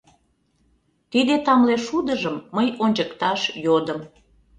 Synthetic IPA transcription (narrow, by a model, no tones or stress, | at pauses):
t̪id̪et̪ɑmleʃud̪əʒəmːəjonʲd͡ʑəkt̪ɑʃjod̪əm